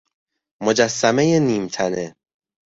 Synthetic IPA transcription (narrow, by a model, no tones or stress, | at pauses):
mo̞d͡ʒæsːæme̞jeniːmt̪ʰæne